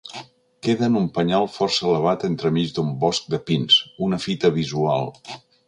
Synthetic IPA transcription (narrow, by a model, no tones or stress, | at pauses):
keðənumpəɲalˠfɔrsəələβ̞at̪ent̪ɾəmizd̪umbɔsk̚d̪əpinsunəfit̪əβizua̰lˠ